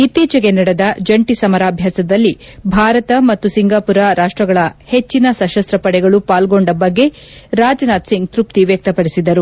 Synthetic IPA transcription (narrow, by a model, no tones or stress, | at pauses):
it̪ːiːt͡ʃɐɡe̞nɐɽed̪ɐd͡ʒɐɳʈisɐmɐɾaːbʱjaːsɐd̪ɐlːibʱaːɾɐt̪ɐmɐt̪ːusiŋɡaːpuɾɐɾaːʂʈɾɐɡɐɭɐhe̞t͡ʃːinɐsɐʃɐst̪ɾɐpɐɽɛɡɐɭupaːlɡo̞ɳɖɐbɐɡːe̞ɾaːd͡ʒɐnaːt̪siŋɡt̪ɾup̚t̪iʋjɐk̚t̪ɐpɐɽisid̪ɐɾu